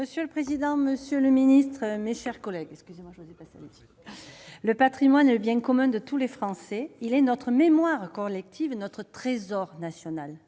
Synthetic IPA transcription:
məsjøləpχezid̪ɑ̃məsjøləminist̪χəmeʃɛʁkɔlɛɡɛkskʲyzemwaʒwozepasea̰let̪i | ləpat̪χimwanɛləbjɛ̃kɔmɛ̃d̪ət̪ulefχɑ̃sɛilɛnɔt̪χəmemwaʁkɔlɛk̚t̪ʰivnɔt̪χət̪χezɔʁnasjɔnal

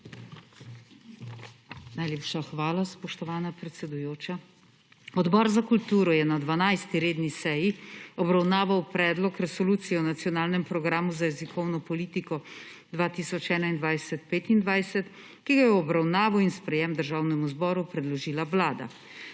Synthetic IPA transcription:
najleːpʃaxʋaːlaspɔʃt̪ɔʋaːnapɾɛt̪sɛd̪ujoːt͡ʃa | ɔd̪bɔɾzakult̪uːɾɔjɛnad̪ʋanajst̪iɾeːd̪nisɛjiɔbɾawnaːʋawpɾɛːd̪lɔkɾɛsɔluːt̪sijɛɔnat̪sjɔnaːlnɛmpɾɔɡɾaːmuzajɛzikʰɔwnɔpɔliːt̪ikɔ | d̪ʋaːt̪iːsɔt͡ʃɛːnaind̪ʋajsɛt̪peːt̪ind̪ʋajsɛt̪ | kiɡajɛɔbɾawnaːʋɔinspɾɛjɛmd̪əɾʒaːwnɛmuzbɔːɾupɾɛd̪lɔʒiːlaʋlaːd̪a̰

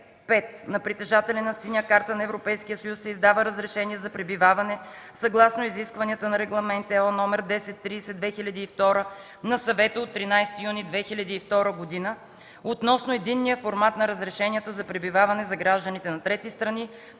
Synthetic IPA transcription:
pɛt̪nɐpɾit̪ɛʒat̪ɛlɛnɐsinʲəkaɾt̪ənɐɛvɾopɛjskijəsɐjusːɛizd̪avəɾəzɾɛʃɛniɛzɐpɾɛbivavɐnɛsɐɡlˠasnoiziskvɐniət̪ənɐɾɛɡlˠɐmɛnt̪ɛɔnɔmɛɾd̪ɛsɛt̪ːɾiːsɛd̪vɛxilʲɐd̪iːft̪ɔɾə | nɐsɐvɛt̪əot̪ːɾinajst̪ijunid̪vɛxilʲɐd̪iːft̪ɔɾəɡod̪inə | ot̪nɔsnoɛd̪inːijəfoɾmat̪nɐɾəzɾɛʃɛnijət̪əzɐpɾɛbivavɐnɛzɐɡɾaʒd̪ənit̪ɛnɐt̪ɾɛt̪ist̪ɾɐni

